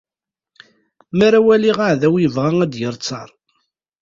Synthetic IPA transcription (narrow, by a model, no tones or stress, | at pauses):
mæɾawæliʁaʕðæwjəvʁaŋæd̪jəɾˤt͡sːɑɾˤ